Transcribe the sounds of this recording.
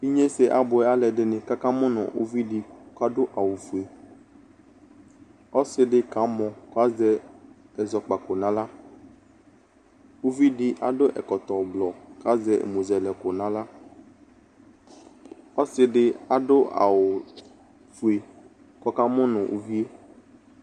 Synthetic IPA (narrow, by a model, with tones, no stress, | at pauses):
i˦ɲẽ˦se˦ʔa˨bʊ˨ɛ˦a˦lɛ˨ɖe˨nẽ˨ka˦kã˦mɔ̃˦nɔ̰̃˨ʔo̰˦vi˦ɖi˦ka˦ɖo˦ʔa˨wo˨fu˨e˨ | ɔ˦sɪ˦ɖɪ˦ka˨˦mɔ̃˨ko˦a˦zɛ˦ | ɛ˨zɔ˨k͡pa˨ko˨nã˦la˦ | wo˦vi˦ɖi˦ʔa̰˨ɖo˦ʔɛ̰˨kɔ˨t̪ɔ˨blɔ˨ka˦zɛ˦ʔḛ˨mõ˨zɛ˨lɛ˨ko˨nã˦la˦ | ɔ˦sɪ˨ɖɪ˦a˨ɖo˦ʔa̰˨wo˨ | fu˨e˨ | kɔ˦ka˦mɔ̃˦nɔ̃˨ʔṵ˦vi˦e˦